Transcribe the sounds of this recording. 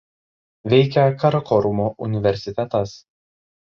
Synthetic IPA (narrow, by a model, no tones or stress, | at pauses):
ʋʲɛɪkʲɛkɐɾɐkɔɾʊmoːʔʊnʲɪʋʲɛɾʲsʲɪt̪ʲɛt̪ɐs